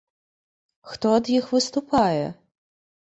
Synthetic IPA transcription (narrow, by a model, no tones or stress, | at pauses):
xt̪ɔːd̪jixʋɪst̪ʊpɑjɛ̰